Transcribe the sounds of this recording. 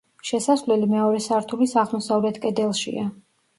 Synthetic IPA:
ʃɛsasvlɛlimɛɔɾɛsaɾt̪ʰulisaʁmɔsavlɛt̪ʰkʼɛd̪ɛlˠʃḭa

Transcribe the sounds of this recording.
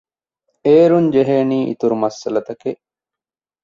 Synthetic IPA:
eːɾuɲd͡ʒeɦeːniːʔḭt̪uɾumɐsɐlɐt̪ɐkeʔ

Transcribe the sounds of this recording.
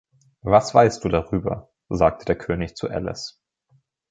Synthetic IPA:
vasv̥aɪstd̥uːdaʁyːbɐ̰ | zaːk̚tʰədeːɐkʰøːnɪçt͡suʔɛ̰lɛ̰s

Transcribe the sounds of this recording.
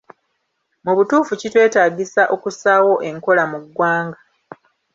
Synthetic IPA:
muβutuːfucitwe̞ːtaːɟisaʔo̞kusaːwo̞ʔe̞ŋko̞lamuɡwaːŋɡa

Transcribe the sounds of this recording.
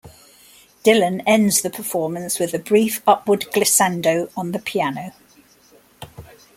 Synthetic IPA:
d̥ɪlə̃nɛ̃ndz̥ðəpʰəfɔːmə̃nswɪðəbɹiˑfʌpʰwədɡlɪsãndəʊə̃nðəpʰianəʊ

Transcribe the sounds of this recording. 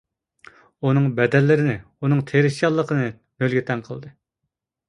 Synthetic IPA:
unɨŋbɛd̪ɛlːɪɾɪnɪ | unɨŋt̪ʰeɾɪʃijɑlˠːəqʰənɨ | mølɡʲit̪ʰɛnqʰə̰lˠd̪ɨ

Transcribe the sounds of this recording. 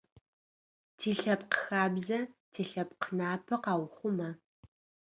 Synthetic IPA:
tʰiːɬɐp̚qəxaːbzɐtʰiːɬɐp̚qənaːpʰɐqɑːwχʷʊmɐ

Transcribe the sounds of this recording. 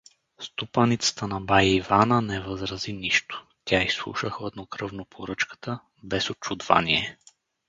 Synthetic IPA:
st̪upanit̪sə̥t̪ənɐbajivanənɛvəzɾɐziniʃt̪o̥ | t̪ʲʰaislˠṵʃəxoɛd̪nokɾɤvnopʰoɾɤt͡ʃkə̥t̪ə | bɛsot͡ʃud̪va̰niɛ

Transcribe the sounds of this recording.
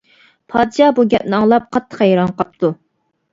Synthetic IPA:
pʰɑːd̪ɨʃɑbuɡʲɛp̚nɪɑŋlˠɑp̚qʰɑt̪ʰːə̥χhɛjɾɑnqʰɑp̚t̪ʰu

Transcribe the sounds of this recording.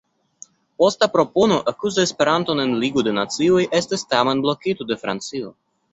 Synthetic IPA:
post̪apɾo̞ponoʔakuzaespeɾant̪onenliɡod̪enat͡siojʔest̪est̪amanblokit̪od̪efɾa̰nt͡sio

